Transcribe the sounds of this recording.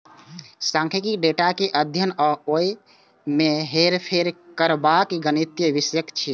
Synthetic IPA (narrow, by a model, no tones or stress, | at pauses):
sãŋkʰikikɖeʈakeʔəd̪ʱjənɔoi | meɦeɾpʰeɾkəɾbakɡənit̪jəʋisjəkt͡ʃʰi